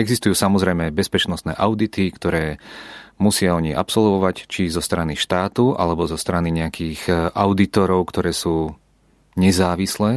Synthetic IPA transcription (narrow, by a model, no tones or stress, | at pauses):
ɛɡzist̪ujuːsamɔzɾɛjmɛbɛspɛt͡ʃnɔst̪nɛ̰ːʔaʊd̪it̪ikt̪ɔɾɛːmusɪaɔɲiʔa̰psɔlʋɔʋact͡ʃizɔst̪ɾaniʃt̪aːt̪uʔa̰lɛbɔzɔst̪ɾaniɲɛakʰiːɣʔaʊd̪it̪ɔɾɔʊkt̪ɔɾɛːsuː | ɲɛzaːʋislɛː